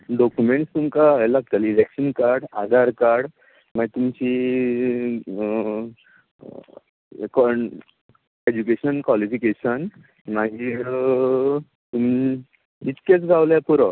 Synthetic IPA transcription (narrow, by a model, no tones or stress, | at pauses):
ɖɔkumeɳʈst̪umkaelaɡ̚t̪əlilekɕənkaɾɽad̪ʱaɾkaɾɽ | maɡit̪umt͡ɕi | k | ed͡ʑukeɕənkʋalifikeɕən | maɡiː | t̪um | it͡skẽt͡sɡʱawljapuɾə